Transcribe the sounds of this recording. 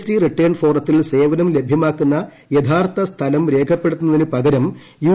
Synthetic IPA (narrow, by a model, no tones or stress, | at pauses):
stiriʈːɐjɐɳɖfo̞ːrɐt̪ːilse̞ːʋɐnɐmle̞bʱjɐmaːkːunːɐ | jɐd̪ʰʱaːrt̪ʰɐst̪ʰɐlɐmɾe̞ːkʰɐpːe̞ɽut̪ːunːɐðinɨpɐɡɐɾɐm | juː